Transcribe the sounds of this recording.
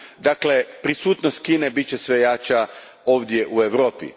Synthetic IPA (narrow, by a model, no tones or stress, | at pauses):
d̪akle̞pɾisuːt̪nost̪̚kiːne̞bitt͡ɕe̞sʋe̞jat͡ɕa | o̞ːʋd̪je̞ʔue̞ʋɾoːpḭ